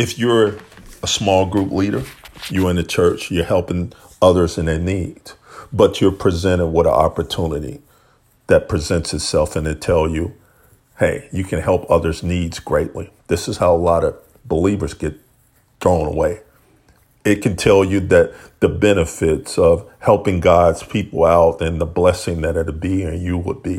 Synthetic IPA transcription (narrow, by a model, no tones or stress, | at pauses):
ɨfjə˞əsmɔlˠɡɹupliɾə˞jə˞ɨ̃nɨt͡ʃʰɜ˞t͡ʃjə˞hɛlˠpɪ̃ŋ | ʌðə˞zɨ̃nɨnid̥b̥ʌt͡ʃə˞pʰɹ̥izɛ̃ɾ̃ɪ̃ŋwʌɾə̰ɑ̰pə˞tʰũnɨɾḭ | ðɨt̚pʰɹ̥izɛ̃ntsɨtsɛlˠfɨ̃nɨtʰɛlˠjɨ | heɪjɨkʰɨ̃nhɛlˠpʰʌðə˞znidz̥ɡɹeɪʔˡliðɪsɨz̥haʊəlɑɾʌ | bəlivə˞zɡɛt̪̚ | d̥ɹõʊ̃nə̰weɪ | ɪt̚kʰɨ̃ntʰɛlˠjɨðɨt̪̚ðɨbɛnɨfɪtsʌv̥hɛlˠpɪ̃ŋɡɑdz̥pʰipl̩ˠaʊɾɨ̃nðəblɛsɪ̃ŋðɨɾ̚ɨɾbiɨ̃njɨwəd̚bi